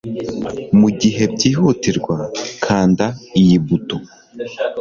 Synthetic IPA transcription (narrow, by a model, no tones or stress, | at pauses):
muɟiɦe̞bɟiːhutiɾɡwakʰaːndaijibuto